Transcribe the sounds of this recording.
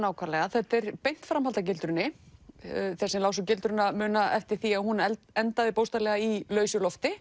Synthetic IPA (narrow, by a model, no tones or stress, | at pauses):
naːwkʰvaɾlɛɣaθɛht̪ɛɾpejn̥t̪fɾamhalt̪acɪlt̪ɾʏnːɪ | θɛsɛmlaːwsʏcɪlt̪ɾʏnamʏːnaɛft̪ɪɾ̥θiaðhunɛ | ɛnt̪aðɪpowst̪alɛɣailœːɥsʏlɔft̪ɪ